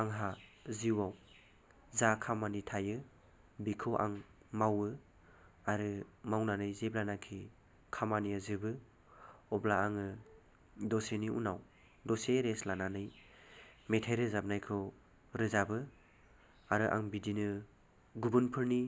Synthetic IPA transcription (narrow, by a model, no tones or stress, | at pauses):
aŋɦaziwaw | zakʰamanitʰajɯ | bikʰɯwʔa̰ŋ | mawɯ | aɾɯmawnanɯjzeblanakʰi | kʰamanijazɯbɯ | ɔblaaŋɯ | dɔseniṵnaw | dɔseɾeslananɯj | metʰajɾɯzab̚najkʰɯw | ɾɯzabɯ | aɾɯʔa̰ŋbidinɯ | ɡubɯnpʰɯɾni